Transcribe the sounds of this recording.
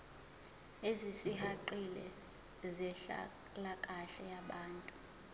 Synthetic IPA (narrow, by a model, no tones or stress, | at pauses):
ezisihaǃilɛ̰ | zɛɬa̰ | lakʼaɬɛjaɓaːntʼu